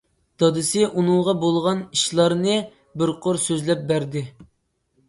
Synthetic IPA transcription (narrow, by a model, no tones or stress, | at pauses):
d̪̥ɑd̪ɨsɪʔunɨŋʁɑbolˠʁɑniʃlˠɑɾnɨ | bɪɾqʰoɾsøzlɛp̚bæɾd̪ɪ